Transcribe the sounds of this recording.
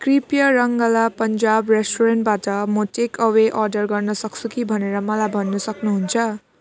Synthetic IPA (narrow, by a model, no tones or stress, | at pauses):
kripjʌɾʌŋɡʌlapʌnd͡zabresʈoɾenʈ̚batʌmoʈekʌweʔʌrɖʌrɡʌrnʌsʌk̚t͡sʰukibʱʌneɾʌmʌlajbʱʌnːusʌknuɦunt͡sʰʌ